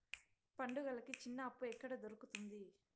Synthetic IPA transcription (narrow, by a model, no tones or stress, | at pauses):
pɐɳɖuɡɐlɐkit͡ʃinːɐːpːuɛkːɐɽɐd̪oɾukut̪und̪i